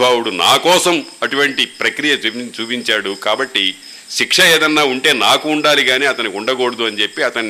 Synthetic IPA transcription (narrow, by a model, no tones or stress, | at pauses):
bʱaːwuɽunaːkɔːsɐmɐʈuʋɐɳʈipɾɐkɾijɐt͡ʃuːpiɲt͡ʃaːɽukaːbɐʈːi | ʃikʂɐeːd̪ɐnːaːuɳʈe̞ːnaːkuːɳɖaːliɡaːniːɐt̪ɐniuɳɖɐɡoːɽɐd̪uɐnit͡ʃe̞pːiɐt̪ɐn